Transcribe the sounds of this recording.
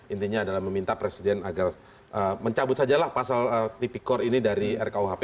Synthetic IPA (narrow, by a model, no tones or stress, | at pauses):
int̪iɲaːdalahməmint̪apɾesidɛnaɡar | ʔəːməɲt͡ʃabʊt̪̚sad͡ʒalahpasalət̪ipikɔrinidaɾiɛrkauɦape